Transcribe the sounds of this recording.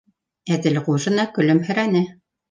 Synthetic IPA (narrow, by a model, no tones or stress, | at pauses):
æðɘlʁuʒɤ̆nɑkɵ̆lɵmhɵ̆ɾænɘ